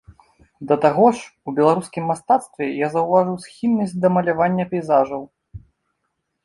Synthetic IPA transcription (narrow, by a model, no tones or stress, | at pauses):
d̪ɐt̪aɣɔʂubʲɛlˠaɾuskʲimːast̪at̪st̪vʲɛjazɐwvaʐɨwsʲxʲilʲnɐsʲtʲd̪ɐmɐlʲavanʲːɐpʲɛjzaʐɐw